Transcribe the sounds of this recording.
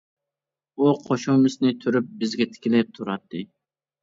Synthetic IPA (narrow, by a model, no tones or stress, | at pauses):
uqʰoʃumɪsnɪt̪ʰyɾyp̚bɪzɡʲɛt̪ʰɪ̥kʲɪlɪp̚t̪ʰuɾɑt̪ʰːɨ